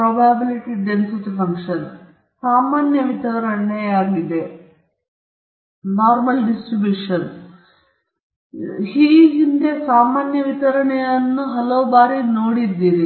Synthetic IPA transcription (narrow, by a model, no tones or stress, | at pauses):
pɾoːbaːbiliʈiɖensitːifɐŋkʂɐn | saːmaːnjɐʋit̪ɐɾɐɳɳeaːɾid̪e | naːɾmɐlɖisʈɾibjuʂɐn | hiːɡinde̞saːmaːnjɐʋit̪ɐɾɐɳejɐnːuɦɐloʋbaːɾinoːɽid̪ːiɾi